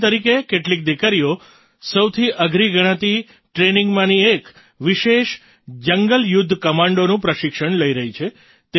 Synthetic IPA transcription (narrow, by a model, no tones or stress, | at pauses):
t̪əɾikekeʈlik̚d̪ikəɾio | səwt̪ʰiʔəɡʱɾiɡəɽ̃ãt̪i | ʈɾenĩŋɡmãniek | ʋiʃeʃ | d͡ʒəŋɡəljud̪ʱːkəmãɳɖonũpɾəʃɪkʃəɳləiɾəɦit͡ʃʰe | t̪e